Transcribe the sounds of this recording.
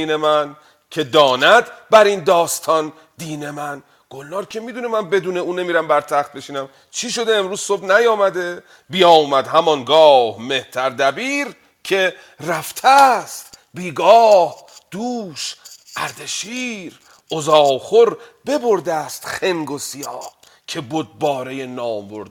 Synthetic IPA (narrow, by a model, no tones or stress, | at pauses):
iːne̞mæn | cʰe̞d̪ɒːnæd̪bæɾind̪ɒːst̪ʰɒn | d̪iːne̞mæn | ɡ̥olːɒːɾcʰe̞miːd̪uːnemænbe̞d̪uːne̞uːne̞miːɾæmbæɾt̪ʰæχt̪̚be̞ʃiːnæm | t͡ʃʰiʃo̞d̪eːmɾuːzso̞bnæjɒːmæd̪e̞ | bijɒːmæd̪hæmɒŋɡɒːhme̞ht̪ʰæɾd̪æbiːɾ | cʰe̞ | ræft̪ʰæst̪biːɡɒːh | d̪̥uːʃ | ʔæɾd̪eʃiːɾ | ʔozɒːχoɾbe̞bo̞ɾd̪æst̪χe̞ŋɡo̞sijɒːh | cʲʰe̞bod̪̚bɒːɾejenɒːmbo̞̰ɾd̪